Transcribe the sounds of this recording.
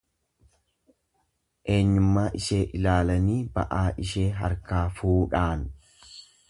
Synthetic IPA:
ʔe̞ːɲːʊmːaːʔɪʃe̞ːʔɪlaːlɐniːbɐ̰ʔaːʔɪʃe̞ːɦɐ̰ɾkaːfuːᶑaːn

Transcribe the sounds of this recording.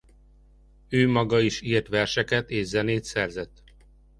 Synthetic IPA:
øːmɒɡɒiʃiːrt̪ʋɛrʃɛkɛt̪eːʒzɛneːt̪sɛrzɛt̪ː

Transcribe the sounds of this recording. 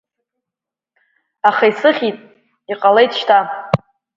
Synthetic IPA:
aχaisɨχʲitʼ | iqʼalejtʰʼʃtʰa

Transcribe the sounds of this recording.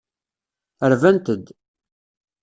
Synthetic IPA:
əɾvænt̪əd̪

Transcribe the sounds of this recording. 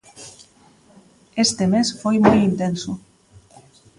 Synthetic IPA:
est̪emesfojmojint̪enso

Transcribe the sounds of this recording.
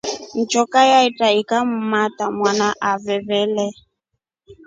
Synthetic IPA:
n̩t͡ʃɔkajaitaikam̩matamwanaʔavɛβɛlɛ

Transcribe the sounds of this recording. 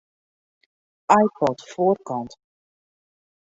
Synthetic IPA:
ajpɔtfoːrkɑnt

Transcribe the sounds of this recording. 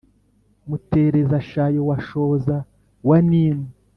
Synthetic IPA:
mute̞ɾezaʃajowaʃo̞za | waniːni

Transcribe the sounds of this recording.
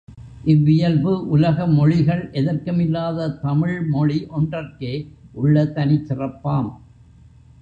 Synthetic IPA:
ʔɪʋːɪjɐlbɯʔʊlɐɣɐmɔɻɪɣɐɭʔɛðɐrkɯmɪlːaːðɐt̪ɐmɪɭmɔɻiʔɔndrɐrkeːʔʊɭːɐt̪ːɐnɪt͡ʃːɪrɐpːaːm

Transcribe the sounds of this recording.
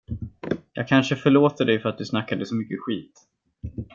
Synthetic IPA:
jɑ̰ːɡ̚kʰanʂəfœɭoːt̪əɖɛjfœɾat̪̚d̪ɵsnakːad̪əsɔmʏkːəɧiːt̪

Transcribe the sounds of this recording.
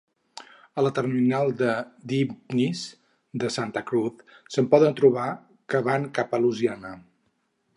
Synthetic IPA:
ələt̪ərminalˠd̪əd̪ibnis | d̪əsant̪əkɾuθsəmpɔðənt̪ɾuβ̞a | kəβaŋkapəluzianə

